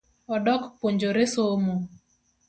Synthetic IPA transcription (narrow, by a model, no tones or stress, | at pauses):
ɔdɔkpoɲd͡ʒoɾesomo